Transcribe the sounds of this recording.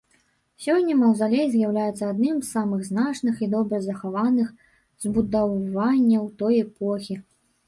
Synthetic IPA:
sʲɔnʲːɐmɐwzalʲejzʲjawlʲajɛt̪sɐad̪nɨmzːamɨɣznat͡ʂnɨxid̪ɔbɾɐzɐxavanɨx | zbud̪avanʲːɐwt̪ɔjɛpʰɔxʲi

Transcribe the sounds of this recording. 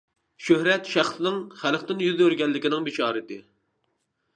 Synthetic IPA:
ʃøhɾɛt̪ʃæχsnɪŋχælˠχt̪ɪnjyðøɾɡʲɛlːɪkʲɪnɪŋbɪt͡ʃʰɑːɾɨt̪ɪ

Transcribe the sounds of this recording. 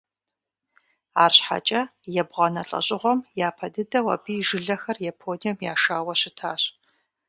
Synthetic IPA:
aːrɕħa̰t͡ʃʼɐjɛbʁɐnɐɬʼɐ̰ɕʼɪʁʷɔmjaːpʰɐdɨdɐwɐ̰biːʒɨɮɐxɐrjapʰoːnijɛmjaːʃaːwɐɕɪtʰaːɕ

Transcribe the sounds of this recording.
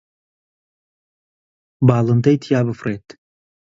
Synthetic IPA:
baːlˠɨnd̪ɐjt̪ʰjaːbɨfreːt̪

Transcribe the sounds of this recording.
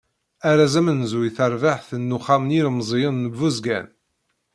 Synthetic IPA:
æɾazæmənzuiθəɾvaħθənːuχamniɾmzˤjəðnəvːuzɡæ̰n

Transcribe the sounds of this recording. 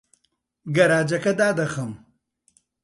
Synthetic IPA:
ɡɐɾaːd͡ʒɐkɐd̪aːd̪ɐxɐm

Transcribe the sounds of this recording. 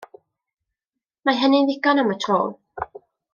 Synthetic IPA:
maɦɛnɪnðɪɡɔnamətʰro̰ːlˠ

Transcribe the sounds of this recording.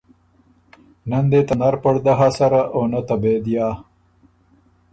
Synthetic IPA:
nɐnd̪et̪ɐnaɾpɐɽd̪aɦasɐɾaʔoːnɐt̪ɐbed̪jaː

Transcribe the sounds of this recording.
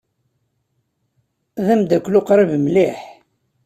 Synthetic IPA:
ðæmd̪ækʷːlʊqɾˤəvmliħ

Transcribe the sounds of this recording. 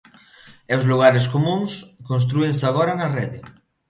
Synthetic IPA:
ewzluɣaɾeskomũŋskons̬t̪ɾuensaɣoɾanarɛðe

